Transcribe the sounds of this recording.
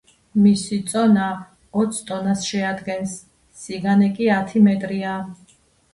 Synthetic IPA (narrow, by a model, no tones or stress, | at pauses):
misit̪sʼɔna | ɔt̪sʰt̪ʼɔnasʃɛad̪ɡɛnsː | iɡanɛkʼiat̪ʰimɛt̪ʼɾia